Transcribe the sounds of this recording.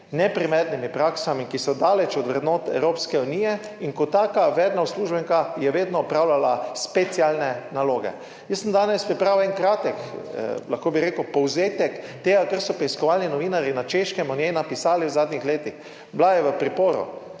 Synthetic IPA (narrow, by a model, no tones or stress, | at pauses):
nɛpɾimɛɾnimipɾaksamikisɔd̪aːlɛt͡ʃɔd̪ʋɾɛd̪noːt̪ɛ̰wɾoːpskɛuniːjɛiŋkɔt̪ːaːkaʋɛːd̪nawsluːʒbɛŋkajɛʋeːd̪nɔːpɾawlalaspɛt̪sialnɛnaloːɡɛ̰ | jəsːəmd̪aːnɛspɾipɾawɛŋkɾaːt̪ɛklaxkoːbiɾeːkəwpɔwzeːt̪ɛkt̪eːɡakaɾsɔpɾɛiskɔʋalninɔʋiːnaɾinat͡ʃeʃkɛmɔnjɛjnapisaːliwzaːd̪nixleːt̪ix | blajɛʋəpɾipoːɾṵ